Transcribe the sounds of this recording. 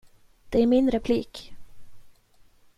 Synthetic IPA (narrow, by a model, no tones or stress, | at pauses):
d̪̥ɛæɾmɪnɾɛpʰlḭːk